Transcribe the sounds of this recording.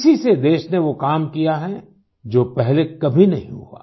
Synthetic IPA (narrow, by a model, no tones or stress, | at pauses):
sised̪eːʃneʋokaːmkijaɦɛ | d͡ʒoːpɛɦlekɐbʱinɐɦĩɦua̰ː